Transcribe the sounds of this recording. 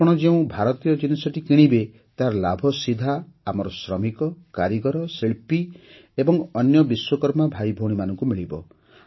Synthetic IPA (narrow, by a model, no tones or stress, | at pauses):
ɔɽ̃ɔd͡ʒeũbʱaɾɔt̪ijɔd͡ʒinisɔʈikiɽ̃ibe | t̪aɾɔlabʱɔsid̪ʱaamɔɾɔsɾɔmikɔkaɾiɡɔɾɔsiɭpi | ebɔŋɔnjɔbiswɔkɔɾmabʱajbʱoɽ̃imanɔŋkumiɭibɔ̰